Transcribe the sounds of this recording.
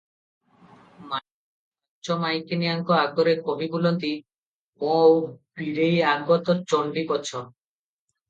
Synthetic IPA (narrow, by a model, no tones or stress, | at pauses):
ma | t͡ɕɔmajkenijaŋkɔaɡɔɾeɾkobibulɔnt̪i | ɔ̃owbiɾejaɡbɔt̪ɔɾt͡ɕɔɳɖibɔt͡ɕʰɔ